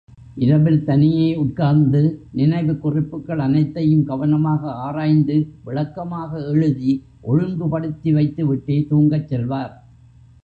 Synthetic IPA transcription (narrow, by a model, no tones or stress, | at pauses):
ʔɪɾɐʋɪlt̪ɐnɪjɐːʊʈ̚kaːɾnd̪ɯnɪnɐɪʋɯkʊrɪpːɯkːɐɭɐnɐɪt̪ːɐjɯmɡɐʋɐnɐmaːɣɐaːɾaːjnd̪ɯʋɪɭɐkːɐmaːɣɐɛɻɯði | ʔɔɻɯŋɡɯpɐɽɯt̪ːiʋɐɪt̪ːɯʋɪʈːeːt̪uːŋɡɐt͡ʃːɛlʋaːɾ